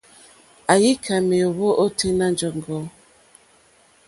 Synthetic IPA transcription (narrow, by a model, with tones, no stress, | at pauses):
a˨ji˦kʰa˨me˨o˨βo˦ʔo˦tʰe˦na˦n˦d͡ʒɔ˨ŋ˨ɡɔ˦